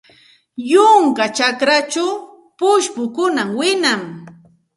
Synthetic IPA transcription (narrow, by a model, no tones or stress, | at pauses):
jʊŋkat͡ʃakɾat͡ʃaw | pʊʃpʊkʊnamwɪnam